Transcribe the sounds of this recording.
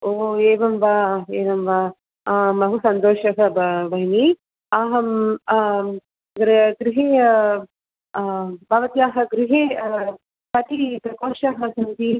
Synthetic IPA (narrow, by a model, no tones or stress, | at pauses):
oːeːʋɐmʋaːeːʋɐmʋaː | mɐɦusɐnt̪oːʃɐɦɐbbɐɦini | aːɦɐm | ɡɾɡɾiɦeː | bʱaːʋɐt̪ijaːɦɐɡɾiɦeː | pɐʈipɾɐkoːʃaɦɐsɐnt̪i